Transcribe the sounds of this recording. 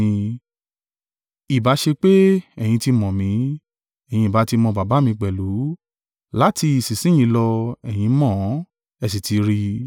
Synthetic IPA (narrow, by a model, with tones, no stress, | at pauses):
i˨ba˨˦ʃe˧k͡pe˦ɛ˨j̃ĩ˧ti˧mɔ̃˨mĩ˨˦ | ɛ˨j̃ĩ˧i˨ba˨˦ti˧mɔ̃˧ba˨ba˨˦mĩ˧k͡pɛ˨lu˨˦ | la˦ti˧i˨si˨sĩ˦j̃ĩ˧˦lɔ˧ɛ˨j̃ĩ˨˧mɔ̃˦˨˦ | ɛ˧˨s̬i˨ti˨˧ɾi˧